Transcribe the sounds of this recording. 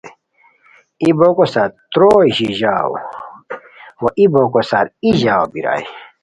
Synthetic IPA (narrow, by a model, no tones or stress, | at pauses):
ibokosaɾt̪ɾoʑiʑawo̰ | woʔibokosaɾiʑaːwbiɾa̰j